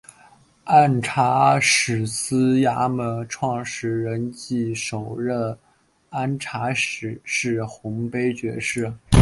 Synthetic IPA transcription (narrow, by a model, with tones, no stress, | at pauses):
a˥˩nʈ͡ʂʰa˧˥ʂɻ̩˨˩sɹ̩˥ja˥mə˧˩ʈ͡ʂʰwɑ˥˩ŋʂɻ̩˧˥ɻə˧˥nt͡ɕi˥˩ʂo˨˩ʊɻə˥˩n | a˥nʈ͡ʂʰa˧˥ʂɻ̩˨˩ʂɻ̩˥˩xʊ˧˥ŋpe˥ɪt͡ɕɥɛ̰˧˥ʂɻ̩˥˩